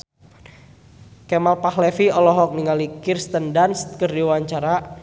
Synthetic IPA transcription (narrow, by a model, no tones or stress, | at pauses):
kɛmalpahlɛfiɔlɔɦɔk̚niŋalikirst̪əndanst̪̚kərdiwaɲt͡ʃaɾa